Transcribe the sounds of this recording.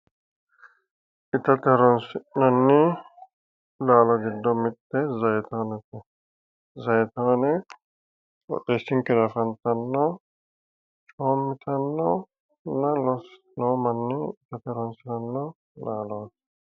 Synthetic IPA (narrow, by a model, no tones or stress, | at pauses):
it̪ʰɐt̪ʰeɾɔnsinɔnːi | laːlɔɡidɔmit̪ːezɐjt̪ʰɔːnet̪e | zɐjt̪ʰɔːne | ɔ̰t̪esiŋkiɾɐfɐnt̪ɐnːɔ | t͡ʃʰoːmːit̪ʰɐnːɔ | nalɔs | lɔmɐnːiit̪ʰɐt̪ʰeɾɔnsiɾɐnːɔ | laːlɔːs